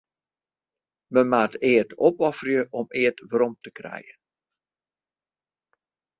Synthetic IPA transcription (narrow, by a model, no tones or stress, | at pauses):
məmaːtɪətɔpɔfərjəʔɔmɪətʋəɾɔmtəkrɛ̰jən